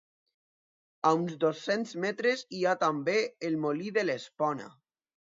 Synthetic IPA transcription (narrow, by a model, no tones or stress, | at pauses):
aunzd̪osːenzmɛt̪ɾeziat̪ambeelmoliðelespɔna̰